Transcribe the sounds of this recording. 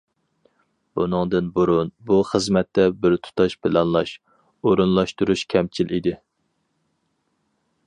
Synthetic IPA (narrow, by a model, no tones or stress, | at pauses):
b̥unɨŋd̪ɨnbuɾunbuχəzmɛt̪ːɛbɪɾt̪ʰu̥t̪ʰɑʃpʰɪlɑnlˠɑʃ | oɾunlˠɑʃt̪uɾuʃkʲʰɛmt͡ʃʰilʔid̪ɪ